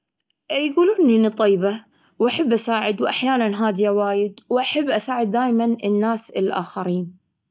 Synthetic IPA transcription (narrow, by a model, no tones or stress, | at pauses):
jɡuːluːnɪnit̪ˤːɑjba | wʔaħabːʔasaːʕɪd̪wʔaħjaːnanɦaːd̪ɪjawaːjɪd̪wʔaħabːʔasaːʕɪd̪ːaːjmanɪnːaːsɪlʔaːxaɾiːn